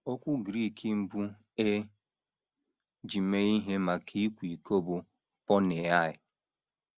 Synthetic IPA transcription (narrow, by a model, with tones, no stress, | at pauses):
o˦kʷʊ˦ɡɾi˦˨ki˨m̩˦bu˦ | e˦ | d͡ʒi˨me˦i˦ɦe˦ma˨kʰe˦i˦kʷi˨ko˦bʊ˨ | pɔ˦ne˨a˦˨ɪ˨